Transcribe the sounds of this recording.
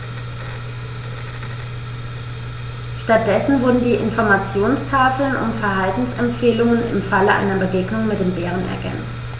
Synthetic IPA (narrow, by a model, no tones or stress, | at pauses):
ʃtat̚d̥ɛsn̩vʊɐdn̩diːʔɪnfɔɐmat͡sjoːnstʰaːfl̩nʔʊ̰ntfɛɐɦaltn̩sɛmfeːlʊŋənɪ̰mfaləʔa̰ɪnɐbəɡeːɡnʊŋmɪt̚d̥eːmbeːʁ̞ənɛ̰ɐɡɛ̰nt͡st